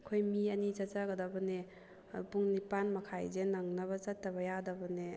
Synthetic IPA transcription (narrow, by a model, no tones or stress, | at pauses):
kʰojmiɐnizɐt̚t͡ʃaɡɐdɐbɐne | puŋnipanmɐkʰajzenɐŋnɐβɐzɐtːɐbɐjadɐbɐne